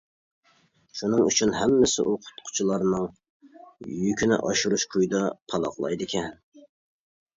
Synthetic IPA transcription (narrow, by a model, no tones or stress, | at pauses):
ʃunɨŋyt͡ʃʰynɦɛmːɪsɪ̰ʔuqʰʊ̥t̪qʰʊ̥t͡ʃʰulˠɑɾnɨŋ | jykʲʰynɪ̰ʔɑ̰ʃuɾuʃkʰujd̪ɑpʰɑlˠɑ̰χlˠɑ̰jd̪ɪkʲʰɛn